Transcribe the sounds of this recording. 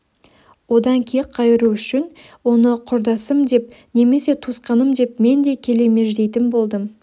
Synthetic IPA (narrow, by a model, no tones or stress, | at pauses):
wo̞d̪ɑŋkʲʰejɪqʰːɑjɪɾuʏʃɪn | wo̞nəqʰʊɾd̪ɑsəmd̪e̞p̚ne̞me̞se̞t̪ʰusqɑnəmd̪e̞p̚me̞nd̪e̞kʲʰe̞le̞me̞ʒd̪e̞jt̪ɪnbo̞lˠd̪əm